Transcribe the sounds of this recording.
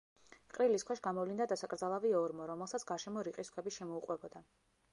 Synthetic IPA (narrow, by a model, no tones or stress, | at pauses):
qʼɾiliskʰwɛʃɡamɔvlind̪ad̪asakʼɾd̪zalˠaviɔɾmɔɾɔmɛlˠsat̪sʰɡ̥aɾʃɛmɔɾiqʼiskʰwɛbiʃɛmɔuqʼwɛbɔd̪a